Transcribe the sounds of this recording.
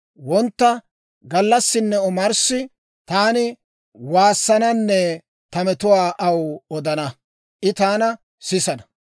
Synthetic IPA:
wɔnt̪ːɐ | ɡɐlːɐsːɪnːɛɔmɐɾsːɪ | t̪aːnɪ | waːsːɐnɐnːɛ | t̪ɐmɛt̪ʊwaːʔɐwɔd̪ɐnɐ | ʔɪt̪aːnɐ | sɪsɐnɐ

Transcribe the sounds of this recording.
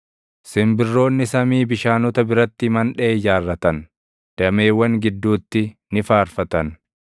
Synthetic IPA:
sɪmbɪrːo̞ːnːɪsɐmiːbɪʃaːnʊt̪ɐbɪɾɐt̪ːɪmɐnᶑeːd͡ʒaːrːɐt̪ɐn | d̪̥ɐme̞ːwːɐŋɡɪd̪ːuːt̪ːɪnɪfaːɾfɐt̪ɐn

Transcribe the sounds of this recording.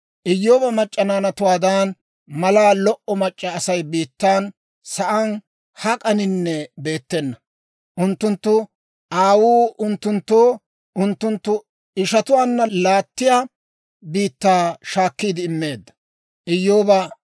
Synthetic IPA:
ʔɪjːo̞ːbɐmɐt͡ʃʼːɐnaːnɐt̪ʊwaːd̪aːn | mɐlaːlɔʔɔmɐt͡ʃʼːɐːsɐjbiːt̪ːaːn | sɐʔɐn | hɐkʼɐnɪnːɛbe̞ːt̪ːɛnːɐ | ʔʊnt̪ːʊnt̪ːʊ | ʔaːwuːʊnt̪ːʊnt̪ːoː | ʔʊnt̪ːʊnt̪ːʊ | ɪʃɐt̪ʊwaːnːɐlaːt̪ːɪjaː | biːt̪ːaːʃaːkːiːd̪ɪːmːe̞ːd̪ːɐ̥ | ʔɪjːo̞ːbɐ

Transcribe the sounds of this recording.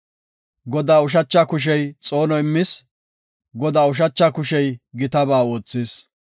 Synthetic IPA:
ɡɔd̪aːʊʃ̬ɐt͡ʃːakʊʃ̬ɛjt͡sʼoːnɔɪmːɪs | ɡɔd̪aːʊʃ̬ɐt͡ʃːakʊʃɛjɡɪt̪ɐbaːo̞ːt͡sːɪs

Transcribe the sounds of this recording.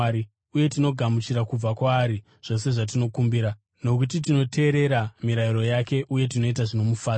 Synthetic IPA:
i | uje̞tino̞ɡʱamut͡ʃiɾakub͡vakwaːɾi | ʐ̥o̞se̞ʐat̬ino̞kumbiːɾa | no̞kut̬itino̞te̞ːɾe̞ɾamiɾaiɾo̞jake̞ʔuje̞t̬ino̞it̬aʐino̞mufaː

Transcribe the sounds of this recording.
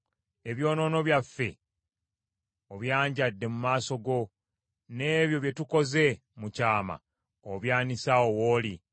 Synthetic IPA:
e̞βjo̞ːno̞ːno̞βjafːe̞̰ | oβjaːɲɟadːe̞mumaːso̞ɡo̞ | ne̞ːβjo̞βje̞tuko̞ze̞ | mucaːma̰ | oβjaːnisaowoːli

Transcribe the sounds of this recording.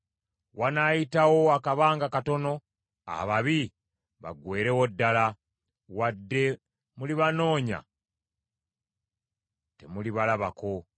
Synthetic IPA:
wanajitawo̞akaβaːŋɡakato̞no̞ | a̰βaβi | βa̰ɡwe̞ːɾe̞wodːala | wadːe̞ | muliβano̞ːɲa̰ | te̞̰muliβalaβako̞

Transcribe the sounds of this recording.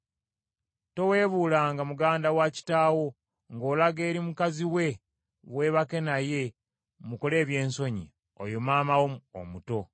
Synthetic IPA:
to̞we̞ːβuːlaŋɡamuɡaːndawaci̥taːwo̞ | ŋɡo̞ːlaɡe̞ːɾimukaziwe̞ | βwe̞βake̞naje̞ | muko̞le̞ːβje̞ːnso̞ɲḭ | o̰jomaːmawomuo̰muto̞

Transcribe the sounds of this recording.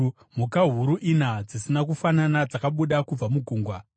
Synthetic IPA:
mukaɦuɾuʔinad͡zisinak̬ufananad͡zakaɓuɗakub͡vamuɡʱuːŋɡwa

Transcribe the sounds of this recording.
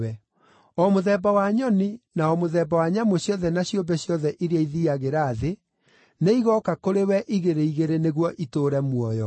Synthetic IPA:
ɛ | ɔmoðɛbawaɲɔninaɔmoðɛːbawaɲamoɕjɔðɛnaɕjombɛɕjɔðɛʔiɾeaiðiaɣeɾaːðe | neiɣɔkakoɾewɛʔiɣeɾeiɣeɾeneɣwɔʔitoːɾɛmwɔjɔ

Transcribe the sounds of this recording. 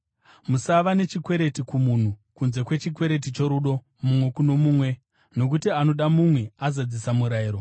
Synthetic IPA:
musaʋane̞t͡ʃikwe̞ɾe̞tikumun̤ukunze̞kwe̞t͡ʃikwe̞ɾe̞t̬it͡ʃo̞ɾuɗo̞ | mumwe̞kuno̞muːmwe̞ | no̞k̬utiano̞ɗamumwe̞azad͡zisamuɾaiːɾo

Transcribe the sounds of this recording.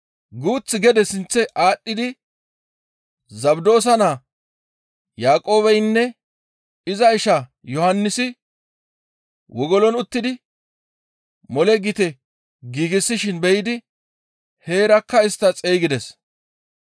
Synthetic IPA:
ɡuːt͡sːɪɡɛd̪ɛsɪnt͡sːɛʔaːɗːɪd̪ɪ | zɐbd̪o̞ːs̬ɐnaː | jaːkʼo̞ːβɛjnːɛ | ɪzɐɪʃa | jɔhɐnːɪsɪ | wɔɡɔlɔnʊt̪ːɪd̪ɪ | mɔlɛɡɪt̪ɛ | ɡiːɡɪsːɪʃɪnbɛjɪd̪ɪ | he̞ːɾɐkːɐɪst̪ːɐt͡sʼeːɡɪd̪ɛs

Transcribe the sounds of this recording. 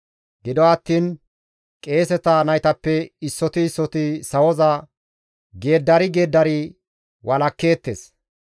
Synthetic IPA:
ɡɪd̪ɔɐt̪ːiːn | kʼe̞ːsɛt̪ɐnɐjt̪ɐpːɛɪsːɔt̪ɪːsːɔt̪ɪsɐwɔzɐ | ɡe̞ːd̪ːɐɾɪɡe̞ːd̪ːɐɾɪ | wɐlɐkːe̞ːt̪ːeːs

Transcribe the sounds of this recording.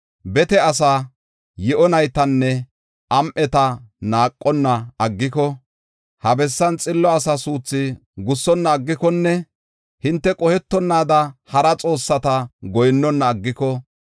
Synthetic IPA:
bɛt̪ɛɐs̬aː | jɛʔɔnɐjt̪ɐnːɛ | ʔɐmʔɛt̪ɐnaːkʼːɔnːɐɐɡːɪkɔ | hɐbɛsːɐnt͡sʼɪlːɔɐsɐsuːt͡sːɪɡʊsːɔnːɐːɡːɪkɔnːɛ | hɪnt̪ːɛkʼɔhɛt̪ːɔnːaːd̪ɐhɐɾɐt͡sʼo̞ːsːɐt̪ɐɡɔjnːɔnːɐːɡːɪkɔ

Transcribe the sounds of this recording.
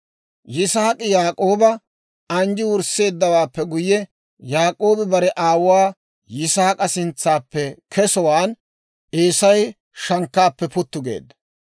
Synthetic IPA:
jɪsaːkʼɪjaːkʼo̞ːbɐ | ɐnd͡ʒɪwʊɾse̞ːd̪ːɐwaːpːɛɡʊjːɛ | jaːkʼo̞ːbɪbɐɾɛʔaːwwaː | jɪsaːkʼɐsɪnt͡sːaːpːɛkʰɛsɔwaːn | ʔeːsɐj | ʃɐŋkːaːpːɛpʊt̪ːʊɡḛːd̪ːɐ̥

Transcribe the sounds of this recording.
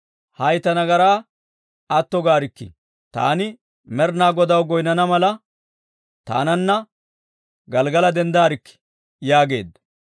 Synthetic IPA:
hɐjt̪ɐnɐɡɐɾaː | ɐt̪ːɔɡaːɾɪkːɪ̰ | t̪a̰ːnɪ | mɛɾnaːɡɔd̪ɐwɡɔjnɐnɐmɐlɐ | t̪a̰ːnɐnːɐ | ɡɐlɡɐlɐd̪ɛnd̪aːɾɪkːɪ̥ | jaːɡe̞̰ːd̪ɐ

